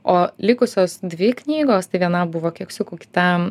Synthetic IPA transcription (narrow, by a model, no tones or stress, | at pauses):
oːlʲɪkʊsʲoːsd̪ʲʋʲɪknʲiːɡoːst̪ɐɪʋʲiɛnɐbʊʋoːkʲiɛksʲʊkuːkʲɪ̥t̪ɐ